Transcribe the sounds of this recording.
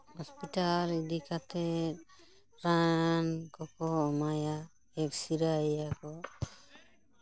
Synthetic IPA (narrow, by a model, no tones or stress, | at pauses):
hɔspitalidikat̪ɛ | ɾankɔkɔmaja | ɛk̚siɾajakɔ